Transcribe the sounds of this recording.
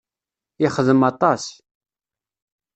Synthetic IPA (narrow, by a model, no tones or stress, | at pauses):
ɪχəðəmɑt̪ˤɑs